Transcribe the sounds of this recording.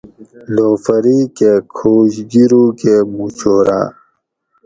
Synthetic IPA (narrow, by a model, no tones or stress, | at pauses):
loːfɐɾikekʰoːɕd͡ʑiɾukemut͡ɕʰoːɾa̰ː